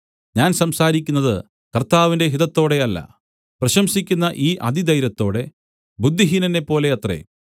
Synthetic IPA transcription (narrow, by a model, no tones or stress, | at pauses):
ɲaːnsɐmsaːɾikʲːunːɐðɨ | kɐrt̪aːʋinde̞ɦiðɐt̪ːo̞ːɽe̞ɐlːɐ̰ | prɐɕɐmsikʲːunːɐʔiːʔɐd̪id̪ɐjɾɐt̪ːo̞ːɽe̞ | bud̪ʱːiɦinɐnːe̞pːo̞ːle̞ɐt̪re̞̰